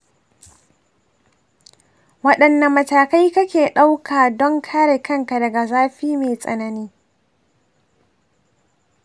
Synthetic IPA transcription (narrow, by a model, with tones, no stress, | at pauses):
wɐ˦ɗɐ˨nːɐ˨mːɐ˨taː˨ka˦jkɐ˦kʲeː˨ɗa˦wkʰaː˨dɔ˦ŋkʰaː˦ɽeː˨kɐ˦ŋka˨dɐ˨ɡa˨zaː˦ɸiː˦meː˨sʼɐ̰˨nɐ˦niː˦